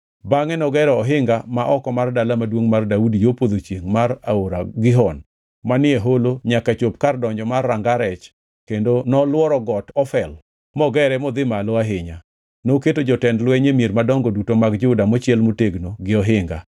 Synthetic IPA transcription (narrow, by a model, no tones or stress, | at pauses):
baŋɛnɔɡɛɾɛɔɦɪŋɡamaʔɔkɔmardalamadwoŋmardaudijopod̪ot͡ʃeŋmaɾaoɾaɡɪɦɔn | manɪɛɦoloɲakat͡ʃopkardɔɲd͡ʒɔmarːaŋɡaɾɛt͡ʃ | kendonɔlwɔɾɔɡɔtɔfɛl | mɔɡɛɾɛmɔd̪ɪmaloaɦɪɲa | noketod͡ʒɔtɛndlwɛɲemjeɾmadɔŋɡɔdutomaɡd͡ʒʊdamɔt͡ʃɪɛlmuteɡnoɡɪɔɦɪŋɡa̰